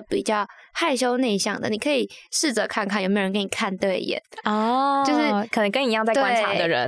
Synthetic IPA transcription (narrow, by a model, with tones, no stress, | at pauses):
pi˨˩t͡ɕjɑ˥˧ʊxa˥˩ɪʂ̬o˥ʊne˥˧ɪɕjɑ̰˥˩ŋd̪ə̰˩ni˨˩kʰɤ˧˥i˨˩ʂɻ̩˥˩t͡sɤ˧˥kʰa˥˧nkʰa˥˩jo˨˩m˧˥˨k̬ə˦ni˨˩kʰa˥˧nt̪we˥˩ɪjɛ̰˨˩˦nɔ˥˩jʊʂɻ̩˥˩kʰə˨˩nə˧˥ŋkə˥ni˧˥jɑ˥˧ŋt͡sa˥˩˧t̪wwae˥nʰa˧d̪ə˧˨ɻə̰˧˦n